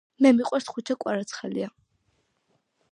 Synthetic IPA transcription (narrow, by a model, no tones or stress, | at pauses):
mɛmiqʼɛɾt̪χut͡ʃʰakʷʼaɾat͡sʰχɛlḭa